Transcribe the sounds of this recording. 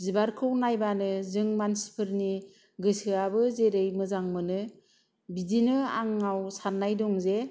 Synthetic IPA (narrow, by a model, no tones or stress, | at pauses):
zibaɾkʰɯwnajbanɯzɯŋmansi̥pʰɯɾni | ɡɯsɯabɯzeɾɯjmɯzaŋmɯnɯ | bidinɯa̰ŋawsanːajdɔŋze